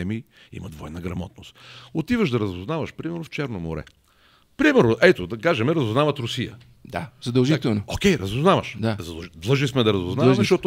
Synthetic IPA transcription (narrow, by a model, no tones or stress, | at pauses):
ɛmi | ḭmɐd̪vɔjnəɡɾɐmɔ̰t̪̚nost̪ot̪ivəʃd̪ɐɾɐzʊznavɐʃpɾimɛɾnʊft͡ʃɛɾnomo̰ɾɛ̰ | pɾimɛɾnoʔɛt̪ʊd̪ɐkaʒɛmɛɾɐzʊznavɐt̪ɾʊsijə̰ | d̪a̰z̥ɐd̪ɐlˠʒit̪ɛlˠnookʲɛjɾɐzʊznavɐʃd̪azɐd̪d̪lˠɤʒnismɛd̪ɐɾɐzʊznazɐʃtɔt̪ʊ